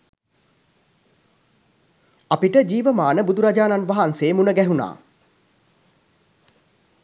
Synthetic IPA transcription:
apiʈəd͡ʒiːʋəmaːnəbud̪uɾad͡ʒaːnanʋaɦanseːmunəɡæɦuna̰ː

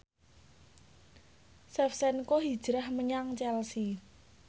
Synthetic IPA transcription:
sɛfsɛnkoɦid̥ʒ̥ɾahməɲaŋt͡ʃɛlsi

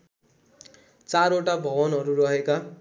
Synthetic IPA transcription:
t͡saɾoʈabʱʌbʌnɦʌɾuɾʌɦeka

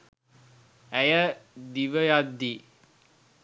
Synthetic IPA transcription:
æjəd̪iʋəjad̪ːi

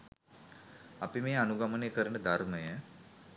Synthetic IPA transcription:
apimeːanuɡamənejkəɾənəd̪ʱarməjə

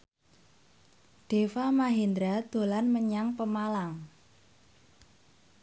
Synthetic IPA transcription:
ɖ̥efamaɦend̪ɾad̪̥o̤lanməɲaŋpəmalaŋ

